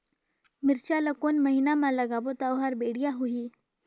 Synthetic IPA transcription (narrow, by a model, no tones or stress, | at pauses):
mɪɾt͡ʃaləkoːnməɦinamãlɐɡabot̪awɦaɾbeːɽijaɦuiː